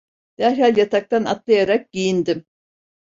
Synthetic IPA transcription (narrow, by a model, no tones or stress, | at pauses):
d̪̥æɾɦalʲjat̪ʰak̚t̪ʰana̰t̪lˠajaɾak̚ɟijind̪im